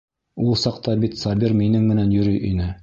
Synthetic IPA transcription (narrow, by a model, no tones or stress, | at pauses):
ulˠsɑqt̪ɑbit̪sɑbʲiɾminɘŋmɘ̆nænjɵ̆ɾɵjʔinɘ